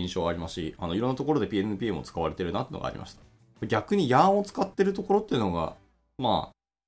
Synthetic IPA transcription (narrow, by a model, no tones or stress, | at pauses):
ĩɰ̃ɕo̞ːaɾʲimaɕḭanoiɾõ̞nːat̪o̞ko̞ɾo̞d̪e̞pʲiːennɯ̟pʲiːemo̞̰t͡sɨ̥kaβaɾe̞t̪e̞ɾɯ̟nat̪eɯ̟no̰ɡa̰ɾḭma̰ɕi̥t̪ḁ | maɡʲakɯɲ̟ijaːõt͡sɨ̥kat̪ːe̞ɾɯ̟t̪o̞ko̞ɾo̞t̪ːe̞jɯ̟no̞ɡa̰ | ma̰ː